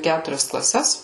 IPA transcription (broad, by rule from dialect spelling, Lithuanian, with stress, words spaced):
ˈkʲætʊrʲɛs klˠɐˈsʲɛs